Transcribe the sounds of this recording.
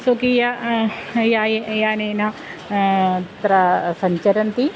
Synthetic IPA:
sokija | jaːjejaːneːna | t̪ɾɐsɐɲt͡ʃɐɾɐnt̪i

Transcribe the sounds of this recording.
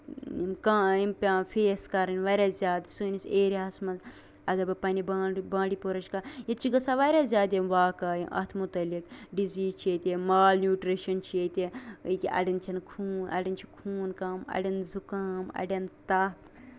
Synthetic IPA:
ḭmkaːimpʲaːfʰeːskɐɾɐnʲʋaɾʲaːzʲjaːd̪suniseːɾʲaɐsmɐnz | ɐɡɐɾbʲɐpɐnibaːbãːɽipoɾɐt͡ʃkajɐt͡ʃʰiɡɐsaʋaɾʲazʲjaːd̪ʲeʋaːkaːjḭʔɐ̰t̪ʰmut̪ɐlikɖiziːzt͡ʃʰiet̪ʲemaːlnʲjuːʈɾiʃɐnt͡ʃʰiet̪ʲekʲiʔɐ̰ɽʲɐnt͡ʃʰɐnkʰuːnʔɐ̰ɽʲint͡ʃʰikʰuːnkaːmɐ̰ɖʲɐnzukaːmɐ̰ɖʲɐnt̪aːt̪

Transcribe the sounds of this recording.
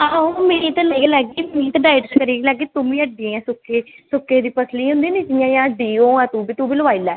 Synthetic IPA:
aːõmẽːt̪ãlaiːɡelɛːɡeːmĩːt̪ãɖaːɪʈskəɾiːɡilɛːɡeːt̪ʊmĩːəɖɪẽːɛ̃ːsʊkːeːsʊkːeːd̪iːpəsʰliːɦʊ̃nd̪iːniːd͡ʒɪjãːjãːɖiːoːɛ̃ːt̪ũːbiːt̪ũːbiːləʋaːilɛː

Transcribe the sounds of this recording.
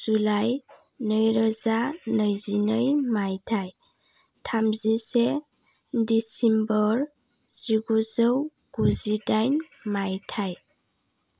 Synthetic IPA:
z̥ulaj | nəjɾəzanəjzinəjmajtʰaj | tʰamzise | disimbɔɾ | z̥iɡuzəw | ɡ̥uzidajn | majtʰaj

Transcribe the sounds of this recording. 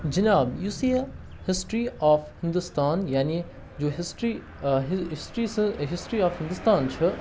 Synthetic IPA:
d͡ʒɐnaːbjuːsiːe | hɪsʈɾiɔːfhɪ̃nd̪ʊst̪aːnjaːni | d͡ʒoːɦɪsʈɾi | ɦɪsʈɾisɦɪsʈɾiɔːfhɪ̃nd̪ʊst̪aːnt͡ʃʰɨ

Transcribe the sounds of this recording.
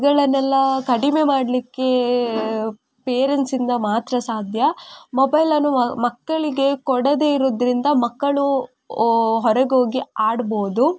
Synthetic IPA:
ɡɐɭɐnɛlːɐkɐɽimemaːɽɐlikːe̞ | peːɾensind̪ɐmaːt̪ɾɐsaːd̪ʱjɐmobɐjlɐnːumɐkːɐɭiɡe̞kɔɽɐd̪eiɾod̪ɾind̪ɐmɐkːɐɭu | ɦɔɾɐɡoːɡiaːɽboːd̪u

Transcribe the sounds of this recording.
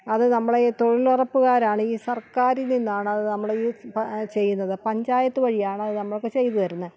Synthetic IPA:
ɐðɨnɐmːɐɭet̪o̞ɻilurɐpːuɣaːɾaːɳɨiːsɐrkaːɾilninːaːɳɨɐðɨnɐmːɐɭiːt͡ɕe̞jːunːɐðɨpɐɲd͡ʑaːjɐt̪ːuʋɐɻijaːɳɐðɨnɐmːɐɭokːet͡ɕe̞jt̪ːuʋɐɾunːɐ

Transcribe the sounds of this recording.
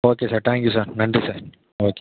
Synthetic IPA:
oːkesɐɾʈãːŋkjusɐɾnɐɳɖɾisɐ | oːke

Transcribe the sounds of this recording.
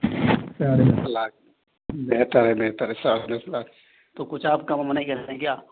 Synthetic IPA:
saːɾenesɐlaːk̚ | beɦt̪əɾɦɛbeɦt̪əɾɦɛsaːɾnesɐlaːk | t̪okʊt͡ʃʰaːp̚kamɐmɐnaɦikɐɾɛ̃kjaː

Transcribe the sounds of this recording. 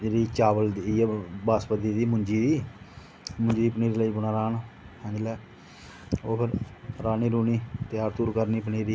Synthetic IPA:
eɾiːt͡ʃaːʋəld̪ibaːspət̪iːd̪iːmʊɲd͡ʒiːd̪iː | mʊɲd͡ʒiːiːpəniːɾiːləiːbʊnaːɾaːnɛ̃ːd͡ʒlɛː | oːpʰɪɾɾaːniːɾuːniːt̪ɪjaːɾt̪uːɾkəɾniːpəniːɾiː

